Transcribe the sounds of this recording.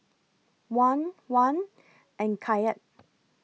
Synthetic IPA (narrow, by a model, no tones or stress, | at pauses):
wãnwãn | ʔɛ̃nkʰajət̚